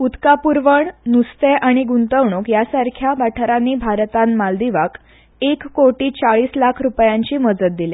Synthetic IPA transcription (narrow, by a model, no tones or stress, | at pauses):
ut̪kapuɾʋəɳnust̪eʔaɽ̃iɡunt̪əʋɳokjasaɾkʰjabaʈʰəɾanːiːbʱaɾt̪anmald̪iʋak | ekːoʈiːt͡saɭiːslakʰɾupjãɲt͡ɕiːməd͡zət̪̚d̪ile